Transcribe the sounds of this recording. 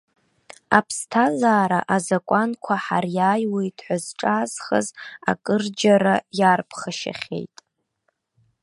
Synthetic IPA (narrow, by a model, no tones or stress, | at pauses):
apʰstʰazaːɾa̰ʔazakʷʼankʷʰaħarjaːjwejtʰʼħʷazʈ͡ʂʼaːzχə̰za̰kʼɨrd͡ʒaɾajarpʰχaʃa̰χʲe̞̰jtʼ